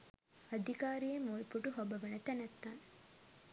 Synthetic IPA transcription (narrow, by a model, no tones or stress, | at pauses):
ɐd̪ʱikaːɾijemːuɭipːuʈuɦobɐʋɐnɐt̪ænɐt̪ːaːn